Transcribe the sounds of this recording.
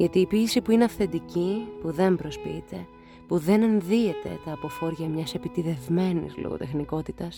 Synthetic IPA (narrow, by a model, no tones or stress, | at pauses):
ʝɐt̪iːpiːsipuineɐfθe̞nd̪icipuðe̞mpɾo̞spiit̪e̞ | puðe̞ne̞nðie̞t̪e̞̰t̪ɐːpo̞fo̞ɾʝɐmɲɐse̞pit̪iðe̞vme̞nḭslo̰ɣo̰t̪e̞xniko̞t̪it̪ɐs